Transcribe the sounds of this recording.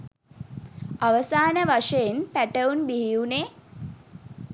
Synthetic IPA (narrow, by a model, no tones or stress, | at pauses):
aʋəsaːnəʋaʂəjenpæʈəunbiɦiune